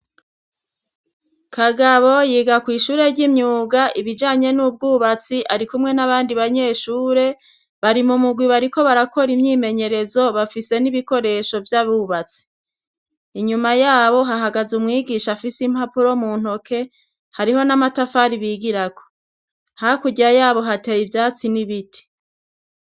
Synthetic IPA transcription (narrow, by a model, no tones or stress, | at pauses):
kʰaɡaβo̞jiːɡakwiːʃuːɾe̞ɾɟimɲuːɡaʔiβid͡ʒaːɲe̞nuːb̚ɡuːβat͡siʔaɾikumŋe̞naβaːndiβaɲe̞ːʃuːɾe̞ | βaɾimumuɡwiβaɾiko̞βaɾako̞ɾimɲiːme̞ɲe̞ɾe̞zo̞βafise̞niβiko̞ɾe̞ʃo̞vjaβuβat͡si̥ː | ɲumajaːβo̞ɦaɦaɡazumŋiːɡiʃafisim̥hapuɾo̞muːn̥ho̞kʰe̞ | haɾiho̞namatafaɾiβiːɡiɾako̥ | hakuɟiɾajaːβo̞ɦatejivjaːt͡siniβiti̥